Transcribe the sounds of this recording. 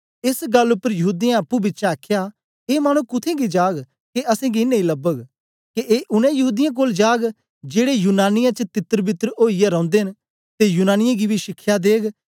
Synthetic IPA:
ɪsɡɐlːʊpːəɾjɐɦuːd̪ɪjãɐpːubɪːʃaaːkʰja | eːmaːɽ̃ũkʊt̪ʰẽɡid͡ʒaːɡ | keʔɐsẽːɡiɪnːẽĩlɐbəɡ | keʔeːʔʊnɛ̃jɐɦuːd̪ɪjãk̬oːld͡ʒaːɡ | d͡ʒeːɽejuːnaːnɪjãt͡ʃət̪ɪt̪ːəɾbɪt̪ːəɾoːijaɾɔ̃ːʊ̃nd̪eɦɪn | t̪ejuːnaːnɪjãɡibʱiʃɪkʰjad̪eːɡ

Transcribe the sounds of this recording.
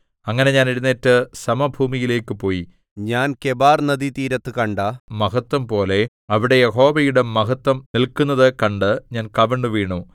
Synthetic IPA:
ɐŋːɐne̞ɲaːneɽunːeːtːɨsɐmɐbʱuːmijile̞ːkːɨpo̞ːji | ɲaːnke̞baːrnɐd̪it̪iːɾɐt̪ːɨkɐɳɖaːmɐɦɐt̪ːwɐmpo̞ːle̞ | ɐʋiɽe̞jeɦo̞ːʋɐjuɽemɐɦɐt̪ːwɐmnilkunːɐðɨkɐɳɖɨɲaːnkɐʋɐɳɖɨʋiːɳu

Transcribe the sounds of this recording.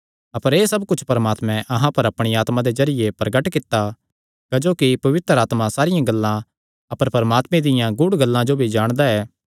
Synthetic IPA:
ɐpəɾeːsɐbkʊt͡ʃʰpɐɾɐmaːt̪mɛ̃ʔɐɦãpɐɾɐpɽ̃iaːt̪mãd̪ezɐɾɪjepɾɐɡəʈkɪt̪ːa | kɐd͡ʒoːkipɐʋɪt̪ɾaːt̪mãsaːɾɪjãɡɐlːã | ɐpəɾpɐɾɐmaːt̪mɛ̃d̪ɪjãɡʊɽɡɐlːãd͡ʒobʱid͡ʒaːɽ̃d̪aɛː

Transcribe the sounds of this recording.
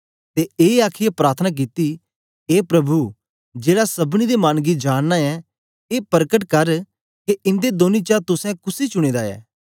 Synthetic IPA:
t̪eeːaːkʰɪjapɾaːt̪ʰənak̬it̪i | eːpɾɐbʱu | d͡ʒeːɽasɐbɽ̃id̪emaːnɡid͡ʒaːnːaɛ | eːpɐɾkəʈkɐɾ | keɪ̃nd̪ed̪oːnit͡ʃat̪ʊsɛ̃kʊsit͡ʃʊɽ̃eːd̪aɛ̰ː

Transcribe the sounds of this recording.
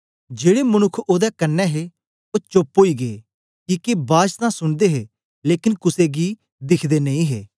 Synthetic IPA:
d͡ʒeːɽemɐnʊkʰːoːd̪ɛkɐnːɛɦe | oːt͡ʃoːpoːiːɡeː | kiːkebaːd͡ʒt̪ãsʊɳ̃d̪eɦeː | leːkɪnkʊseɡi | d̪ɪkʰd̪enɐĩːɦḛː

